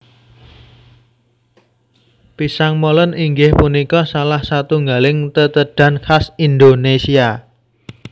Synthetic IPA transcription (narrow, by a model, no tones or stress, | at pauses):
pisaŋmolənʔiŋɡɪhpunikɔsalahsat̪uŋɡalɪŋt̪ət̪əɖ̥a̤nkʰasind̪onesia